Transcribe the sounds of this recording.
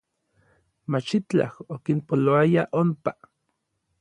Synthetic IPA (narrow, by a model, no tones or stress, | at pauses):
mat͡ʃit͡ɬa̰hokinpoloajaʔompa